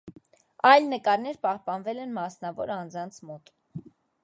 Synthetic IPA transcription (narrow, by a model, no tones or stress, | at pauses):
ɑjlnəkɑɾnɛɾpɑhpɑnvɛlɛnmɑsnɑvɔɾɑnd͡zɑnt͡sʰmɔt̪